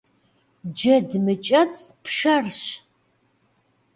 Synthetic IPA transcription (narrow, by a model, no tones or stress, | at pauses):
d͡ʒɐdmɨt͡ʃʼɐt͡sʼpʂɐrɕ